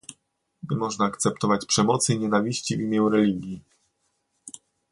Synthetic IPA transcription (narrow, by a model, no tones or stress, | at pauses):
ɲɛmɔʐnaːkt̪sɛp̚t̪ɔvat͡ɕpʂɛmɔt̪sɘiɲɛnavʲiɕt͡ɕivʲimʲjɛwɾɛlʲiɡʲji